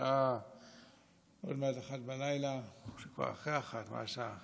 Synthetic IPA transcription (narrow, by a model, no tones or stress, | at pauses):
a | o̞̰dmeadaχatbalajlaʃekva̰ʁa̰χeaχatma̰ʃa